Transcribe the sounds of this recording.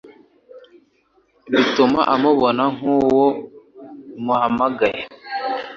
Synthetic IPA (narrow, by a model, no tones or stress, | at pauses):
βituma̰ʔamuβonaŋ̥uwo | muhamaɡaje